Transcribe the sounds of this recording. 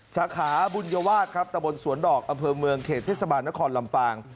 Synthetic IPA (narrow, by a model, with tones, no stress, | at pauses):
saː˩˦kʰaː˩˦bu˧njaː˧waː˥˩t̪̚kʰa˦˥p̚t̪a˧mbo˧nsu˩˦əndɔː˨˩k̚ʔa˧mpʰɤː˧mɯ˧əŋkʰeː˨˩t̪ʰːeː˥˩sa˧baː˧nːa˦˥kʰɔː˧nla˧mpaː˧ŋ